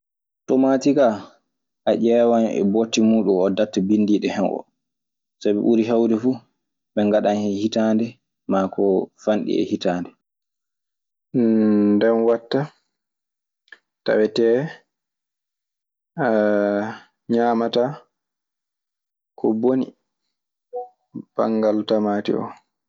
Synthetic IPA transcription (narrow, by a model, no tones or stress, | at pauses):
tɔmaːtika | ʔaʔɛːwanɛ̰botːimuːɗumɔdatːabindiɗɛhɛnʔɔ̰ | sabɛɓuɾiɦawdɛfu | ɓɛŋɡaɗanhɛhitaːndɛ | makɔfanɗḭɛ̰hitaːndɛ | ndɛnwatːa | ta̰wɛtɛː | ɲaːmata | kʰɔbonḭ | b̥a̰ŋɡaltamatḭɔ̰